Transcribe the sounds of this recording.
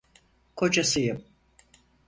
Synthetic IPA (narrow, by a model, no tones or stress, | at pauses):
kʰo̞d͡ʒasɯjɯm